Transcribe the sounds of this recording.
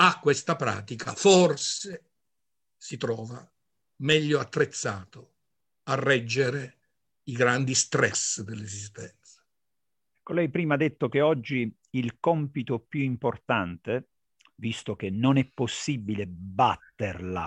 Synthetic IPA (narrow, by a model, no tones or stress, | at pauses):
akːwest̪apɾa̰ːt̪ikʰa̰forse | sit̪ɾɔːva | mɛʎːoat̪ːɾet̪sːaːt̪o | arːɛd͡ʒːeɾe | iɡɾand̪ist̪ɾɛsd̪elːezis̬t̪ɛnt̪sḁ | kːolːɛjpɾiːmad̪ːet̪ːok̟eɔd͡ʒːiː | lkɔmpit̪opjuimport̪ant̪e | vist̪ok̟enːonɛpːosːibilebat̪ːerla̰